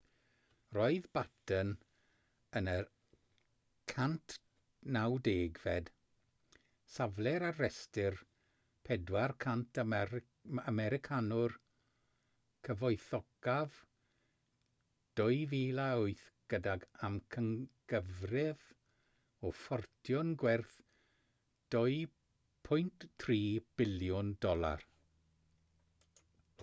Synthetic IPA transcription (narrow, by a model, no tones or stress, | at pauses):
rɔɨðbatʰən | ənə | kʰantʰ | nawdeːɡvɛd̥ | savlɛɾarɛstɪr | pʰɛdwarkʰantʰ | amɛɾɪkʰanʊr | kʰəvɔjθɔɡ̥av | d̥ɔjviːlaʊɨθɡ̥ədaɡamkʰəŋɡ̥əvrɪð | ɔfɔrtʰjɔnɡwɛrθ | d̥ɔɨ | pʰʊjntʰriːb̥ɪljʊndɔlˠa̰r